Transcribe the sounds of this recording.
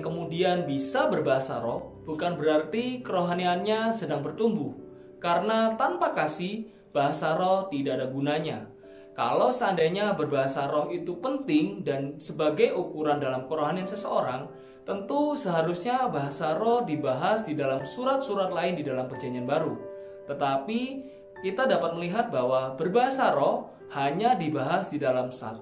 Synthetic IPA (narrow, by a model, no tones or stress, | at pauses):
kəmudianbisabərbaɦasa̰ɾɔhb̥ukanbəɾart̪ikəɾoɦanianɲasədaŋbərt̪umbʊh | kaɾənat̪anpakasɪh | b̥aɦasaɾɔht̪idaʔadaɡunaɲa | ka̰lowsandajɲabərbaɦasaɾɔɦit̪upənt̪ɪŋdansəbaɡajukuɾandalamkəɾoɦanjaŋsəsəoɾaŋ | t̪ənt̪usəɦaɾusɲabaɦasaɾɔhdibaɦasdidalamsuɾat̪̚suɾat̪̚laɪndidalampərd͡ʒaɲianbaɾu | t̪ət̪api | kit̪adapat̪̚məliɦat̪̚bawabərbaɦasaɾɔh | haɲadibaɦasdidalamsa̰rɔ